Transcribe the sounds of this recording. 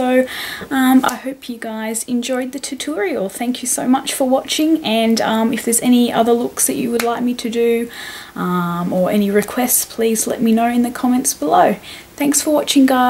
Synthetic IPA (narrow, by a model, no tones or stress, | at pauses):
oʊʌ̃ma̰ɪhoʊpʰjɨɡaɪzɨ̃nd͡ʒɔɪd̪̚ðɨtʰɨtʰʊɹil̩ˠθæ̃ŋkʰjɨsoʊmʌt͡ʃfə˞wɑt͡ʃɪ̃ŋɨ̃nʌ̃mɨfðə˞zɛñiʌ̰ðə˞lʊksðɨt͡ʃɨ̰wədˡlaɪk̚miɾɨdɨ | ʔʌ̃mə˞ʔɛ̰niɹɨkʰw̥ɛstspʰl̥izlɛ̰t̚minoʊɨ̃nðɨkʰɑmɛ̃ntsb̥əloʊ | θæ̃ŋksfə˞wɑt͡ʃɪ̃ŋɡaɪ